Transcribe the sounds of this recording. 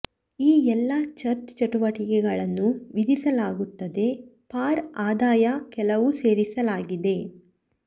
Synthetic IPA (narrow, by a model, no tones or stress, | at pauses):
iːɛlːɐt͡ʃɐɾt͡ʃt͡ʃɐʈuʋɐʈikɛɡɐɭɐnːuʋid̪isɐlaːɡut̪ːɐd̪e̞paːɾaːd̪aːjɐkɛlɐʋuse̞ːɾisɐlaːɡid̪e̞